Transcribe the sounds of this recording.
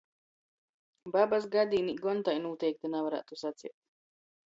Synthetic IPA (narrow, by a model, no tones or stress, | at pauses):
babas̬ɡad̪iːniɡɔnt̪ajnuɔt̪ɛjk̚t̪anavaɾa̰ːt̪usat̪sḭɛt̪̚